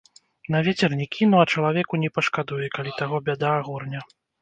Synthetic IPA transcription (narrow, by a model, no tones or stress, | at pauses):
nɐvʲet͡sʲɛrnʲɛkʲʰinuɐt͡ʂɐlˠavʲɛkunʲɛpɐʂkad̪ujɛkalʲit̪aɣɔbʲad̪aːɣɔrnʲɐ